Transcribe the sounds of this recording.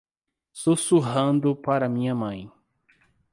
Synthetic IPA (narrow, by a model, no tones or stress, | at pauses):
susuɦɐ̃nd̪ʊpaɾɐmĩɲɐmɐ̃j̃